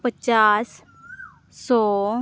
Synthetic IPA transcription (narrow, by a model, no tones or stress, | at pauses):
pət͡ʃaːs | sɔː